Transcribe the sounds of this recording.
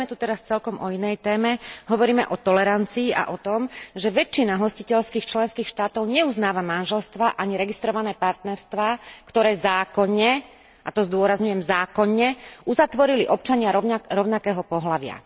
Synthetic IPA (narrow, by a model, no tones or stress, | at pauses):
mɛt̪ut̪ɛɾast͡sɛlkɔmʔɔinɛjt̪ɛːmɛɦɔʋɔɾiːmɛʔɔt̪ɔlɛɾant͡siːʔa̰ʔɔt̪ɔmʒɛʋɛt͡ʃːinaɦɔscicɛʎskiːxt͡ʃlɛnskiːxʃt̪aːt̪ɔʊɲɛuznaːʋamanʒɛlst̪ʋaʔaɲiɾɛɡist̪ɾɔʋanɛːpaɾt̪nɛɾst̪ʋaːkt̪ɔɾɛːzaːkɔɲːɛ | ʔat̪ɔzd̪ʊɔɾazɲujɛmzaːkɔɲːɛʔuzat̪ʋɔɾiliʔɔp̚t͡ʃaɲɪaɾɔɾɔʊnakɛːɦɔpɔɦlaʋɪa̰